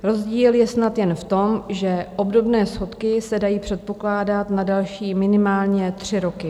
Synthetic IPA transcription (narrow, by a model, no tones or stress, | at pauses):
ɾo̞zɟiːljɛsnat̪jɛnft̪o̞mʒɛʔo̞bdo̞bnɛːsxo̞t̪kɪsɛdajiːpr̝̥ɛt̪̚po̞klaːdat̪nadalʃiːmɪnɪmaːlɲɛt̪r̝̥ɪɾo̞kɪ